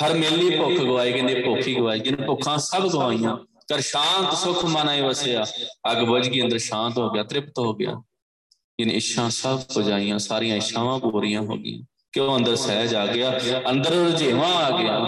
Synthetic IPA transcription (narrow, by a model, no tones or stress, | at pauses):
həɾmeːlːiːpʊkʰɡəʋaːiːɡəneːpoːkʰiːɡəʋaːiːd͡ʒɪnpʊkʰãːsəbɡəʋaːijãː | kəɾʃaːnt̪sʊkʰmaːnaːiːʋəseːaːəɡbʊd͡ʒɡiːə̃nd̪əɾʃãːnt̪ɦoːɡɪjaːt̪ɾɪpt̪ɦoːɡɪja̰ː | d͡ʒɪnːɪʃʰãːsəbkod͡ʒaːijãːsaːɾɪjãːɪʃʰãːʋãːboːɾɪjãːɦo̰ːɡɪ̰jã̰ː | kɪoːə̃nd̪əɾsɛːaːd͡ʒaːɡɪaːənd̪əɾɾd͡ʒeːʋãːaːɡɪjaː